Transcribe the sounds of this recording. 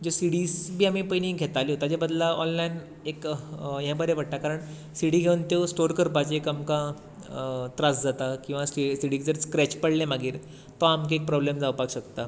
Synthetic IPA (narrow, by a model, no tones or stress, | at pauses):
d͡ʑesiɽiːsbʱiːamipəjniɡʱet̪aliɦot̪ad͡ʑebəd̪laɔnlain | ekjɛ̃bəɾeʋəɽʈ̪akaɾəɳ | siɽiːɡʱeunt̪esʈoɾkəɾpat͡ɕekamka | t̪ɾasd͡zat̪akĩw̃ʋasisiɽiɡd͡zəɾskɾɛt͡ɕpəɽlẽmaɡiːɾ | t̪ɔamk̬eek̚pɾɔblemd͡zaʋpakɕəkt̪a